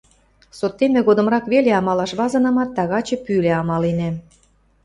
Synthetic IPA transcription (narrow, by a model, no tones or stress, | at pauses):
sot̪ːemĕɣod̪ə̆mrɑkβeleɑmɑlɑʃβɑzɤ̆nɤmɑt̪ːɑɣɑt͡ɕɤ̆pyleɑmɑlenĕ